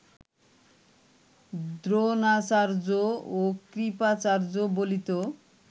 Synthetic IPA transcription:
d̪ɾonat͡ɕaɾd͡ʑookɾipat͡ɕaɾd͡ʑobolit̪o

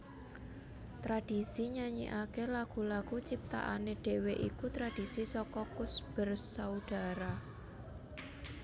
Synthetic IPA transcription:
t̪ɾad̥i̤siɲaɲḭʔakelaɡ̥ṳlaɡ̥ut͡ʃip̚t̪a̰ʔa̰neɖ̥e̤weʔikut̪ɾad̥i̤sisɔkɔkʊsb̥ərsaud̪̥a̤ɾa

